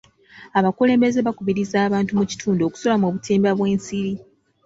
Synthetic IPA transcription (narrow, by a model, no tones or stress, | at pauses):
aβakule̞ːmbe̞ze̞βakuβiɾizaːβaːntumuci̥tʰuːndoku̥so̞lamoβutʰeːmbaβwe̞ːnsiɾi